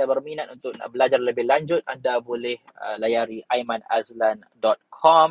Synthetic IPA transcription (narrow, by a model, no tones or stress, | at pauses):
abərminat̪̚unt̪ʊk̚bəlad͡ʒarləbɪhlaɲd͡ʒʊt̪̚andabolɛhəlajaɾiʔajmana̰slan | dɔt̪̚kʰɔm